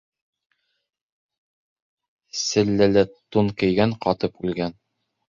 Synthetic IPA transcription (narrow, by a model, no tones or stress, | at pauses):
sɘ̆lːɘlɘt̪ːunkɘ̆jɡæŋqɑt̪ɤpʉlɡæn